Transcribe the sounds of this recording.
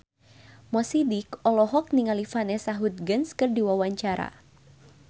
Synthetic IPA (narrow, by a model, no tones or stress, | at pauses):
mɔsidikɔlɔɦɔk̚niŋalifanɛsaɦut̪̚ɡənskɨrdiwawaɲt͡ʃaɾa̰